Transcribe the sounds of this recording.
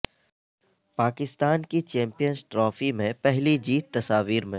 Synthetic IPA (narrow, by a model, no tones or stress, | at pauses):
paːkɪst̪aːnkit͡ʃɛ̃ːmpijənzʈɾɔːfimẽpɛɦlid͡ʒiːt̪ːɐsaːʋiːɾmẽ